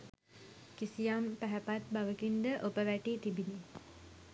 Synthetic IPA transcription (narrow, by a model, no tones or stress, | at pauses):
kisijampæɦæpat̪̚baʋəkind̪əʔopəʋæʈiːt̪ibini